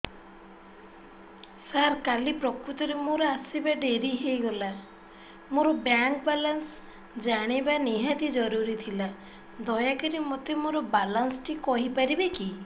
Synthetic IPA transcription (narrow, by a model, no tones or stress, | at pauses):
saɾkalipɾɔkɾut̪ɔɾemoɾɔasibaɖeɾiɦejɡɔla | moɾɔbjaŋkbalans | d͡ʒaɽ̃ibaniɦat̪id͡ʒɔɾuɾit̪ʰila | d̪ɔjakɔɾimot̪emoɾɔbalansʈikɔɦipaɾibeki